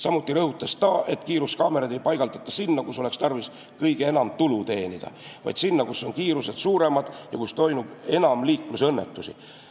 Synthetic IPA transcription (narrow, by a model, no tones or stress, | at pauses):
sɑmut̪ːˑiɾɤhut̪ːˑɑst̪ɑʔe̞t̪ːˑkiːɾuskɑːme̞ɾɑd̪e̞jpɑjɡ̥ɑld̪ɑt̪ːˑɑsinːɑkuso̞le̞kst̪ɑrvis | kɤjɡ̥ee̞nɑmt̪ulut̪e̞ːnid̪̥ɑ̰vɑ̰jd̪̥sinːɑkusːo̞nkiːɾuse̞d̪̥suːɾe̞mɑd̪̥jɑkust̪o̞jmub̥e̞nɑmliːkmesɤnːe̞t̪ːusḭ